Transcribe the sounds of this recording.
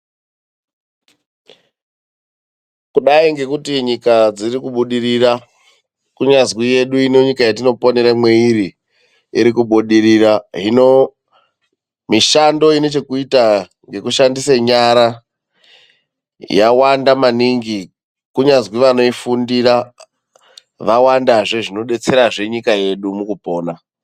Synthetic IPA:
kuɗaiŋɡe̞kutiɲikad͡zirikuɓuɗirira | kuɲazwije̞ɗuino̞ɲikajatino̞po̞ne̞ɾamwe̞iɾi | iɾikuɓuɗiɾiraɦino̞ | miʃando̞ino̞t͡ʃe̞kuita | ŋɡe̞kuʃandiseɲaɾa | jawandamaniŋɡi | kuɲazwiʋano̞ifundira | ʋawandaʐeʐino̞ɗe̞t͡se̞ɾaʐe̞ɲikaje̞ɗumukupo̞ːna

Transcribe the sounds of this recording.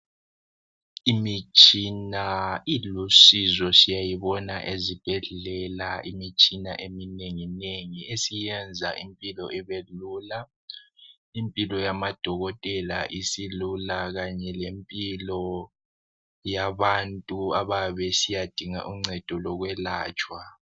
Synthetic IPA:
imit͡ʃʼinailusizɔsijajiβɔnaʔezib̥ʱɛɮɛlaimit͡ʃʼina̰ʔemineŋineŋiesijɛnd͡zʱaʔimpʼilɔʔɛβelula | impʼilɔjamad̥ʱɔɣɔtʼɛla̰ʔisilulaɣaɲɛlempʼilɔ | jaβantʼuaβaβɛsijad̥ʱiŋa̰ʔuŋ͡ǀɛd̥ʱɔlɔɣwɛlaːt͡ʃʼwa

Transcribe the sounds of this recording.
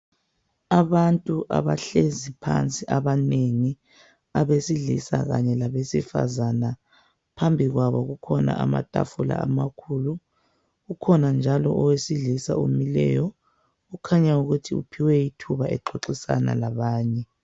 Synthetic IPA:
aβantʼuʔa̰βaɬezipʰa̰nt͡sʼiʔaβaneŋi | aβesiɮisa̰ɣa̰ɲɛlaβesifa̰zana | pʰambʱiɣwaβɔɣukʰɔna̰ʔama̰tʼa̰fula̰amakʰuːlu | ɣukʰɔnand͡ʒʱalɔʔɔwesiɮisaomilɛ̰jɔ | ukʰaɲauɣutʰiṵpʰiwɛjitʰuβaʔɛǃʰoǁisa̰na̰laβaːɲɛ

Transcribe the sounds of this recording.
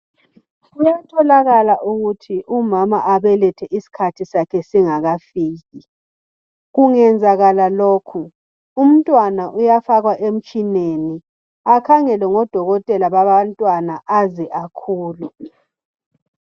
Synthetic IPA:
ɣujatʰɔlaɣalaʔuɣutʰiʔumamaʔaβɛlɛtʰɛʔisi̥kʰatʰisakʰɛsiŋaɣafiːɣi | ɣuŋɛnd͡zʱaɣalaloːkʰu | um̩tʼwanaʔujafaɣwaʔem̩t͡ʃʼineni | akʰaŋɛlɛŋɔd̥ʱɔɣɔtʼɛlaβaβantʼwanaʔazɛʔakʰuːlu

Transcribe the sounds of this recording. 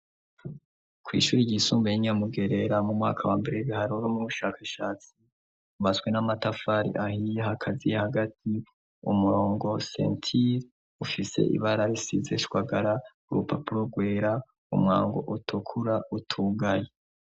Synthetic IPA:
kwḭːʃuːɾiɟisuːmbejiɲamuɡe̞ɾe̞ɾamumŋa̰ːkʰawaːmbeɾeβihaɾunomuβuʃaːkʰaʃaːt͡si | uβasɡwe̞namatafaɾḭʔahijeɦakʰazijahaɡat̚ʰi | ṵmuɾo̞ːŋɡo̞sḛntʰiɾ | ufise̞̰ʔḭβaɾaɾisize̞̰ʃwaɡaɾakuɾupa̰puɾoɡwe̞ːɾa | ṵmŋa̰ːŋɡo̞̰ʔutʰukʰuɾaʔutʰuɡaje

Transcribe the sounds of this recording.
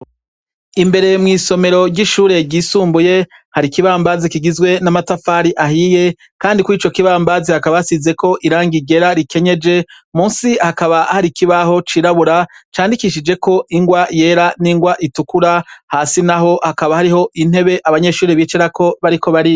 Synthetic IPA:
imbe̞ɾe̞mŋiːso̞me̞ɾo̞ɾɟiʃuːɾe̞ɟiːsuːmbuje̞ | haɾikiβaːmbazikiɡizɡwe̞namatafaːɾiʔaɦije̞ | kaːndikuiːt͡ʃo̞kiβaːmbazihakaβaasize̞kʰo̞ʔiɾaːŋɡiɟe̞ɾaɾike̞ɲe̞d͡ʒe̞ | muːnsihakaβaahaɾikiβaho̞t͡ʃiɾaβuɾat͡ʃaːndikiʃ̬id͡ʒe̞ko̞ʔiŋɡwaje̞ːɾaniŋɡwaʔitukuɾahaːsinaɦo̞hakaβahaɾiho̞ʔin̥he̞βe̞ʔaβaɲe̞ːʃuːɾeβiːt͡ʃeɾako̞βaɾiko̞βaɾi

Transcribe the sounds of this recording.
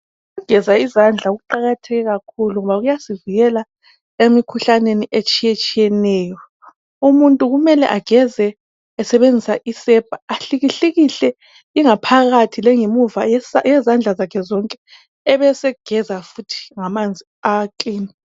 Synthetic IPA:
uɡ̥ʱɛzaizand͡ɮʱaɣuǃaɣatʰɛɣɛɣakʰuluŋɔβaɣujasiviɣɛla | emikʰuɬaneniʔet͡ʃʼijɛt͡ʃʼijɛnɛːjɔ | umuntʼuɣumɛlɛ̰ʔaɡ̥ʱɛzɛː | sɛβend͡zʱisaʔisɛb̥ʱaaɬiɣiɬeɣiɬɛ | iŋapʰaɣatʰilɛŋemuvajɛzand͡ɮʱazakʰɛzɔŋkʼɛ | ɛβɛsɛɡ̥ʱɛzafutʰi̥ŋamand͡zʱiakʼiːni

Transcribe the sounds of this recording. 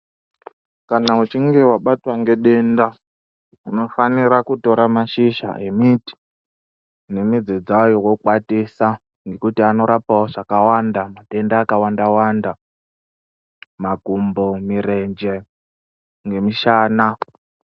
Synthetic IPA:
kanaut͡ʃiŋɡe̞waɓatwaŋɡe̞ɗe̞nda | uno̞faniɾakuto̞ɾamaʃiʃa̰ʔe̞miti̥ | ne̞mid͡zed͡zajowokwatisa | ŋɡe̞kutiano̞ɾapaoʐakawandamaɗe̞ndaːkawandawanda | maɡʱumbomiɾe̞nd͡ʒe | ŋɡe̞miʃaːna

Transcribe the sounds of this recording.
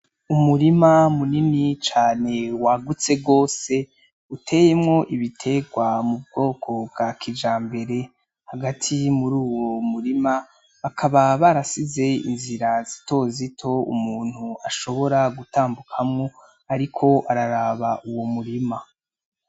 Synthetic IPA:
umuɾimamuninit͡ʃaːne̞waɡut͡se̞bɡo̞ːse̞ | utʰe̞ːjemŋo̞ʔiβitʰe̞ɡwamubɡo̞ːkʰo̞bɡakʰid͡ʒaːmbe̞ɾe̞ | haɡatʰimuɾuːwo̞muɾima | βakʰaβaβaɾasize̞ḭnziɾazito̞zitʰo̞ṵmuːn̥huaʃo̞βo̞ɾaɡutaːmbukʰamŋo̞ | aɾikʰo̞ʔaɾaɾaβaʔuwo̞muɾima

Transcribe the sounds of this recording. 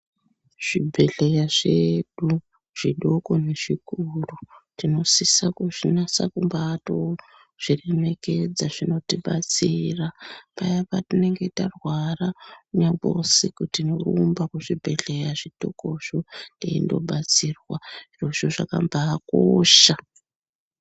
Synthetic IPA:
ʐ̥ibʱe̞ɬejaʐeɗu | ʐ̥iɗoko̞ne̞ʐ̥ikurutino̞sisakuʐinasa̰kumbaːto | ʐ̥ire̞me̞ke̞d͡zaʐino̞tiɓat͡sirapajapatine̞ŋɡe̞tarwarauɲabo̰sikutinorumbakuʐibʱe̞ɮe̞jaʐiɗo̰koʂoeḭndo̞̰ɓat͡siːrwaroʃoʐakambaːkoːʃa

